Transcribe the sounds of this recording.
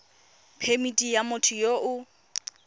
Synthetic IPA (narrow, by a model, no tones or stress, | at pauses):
pʰemitʼijamʊtʰʊjoʔʊ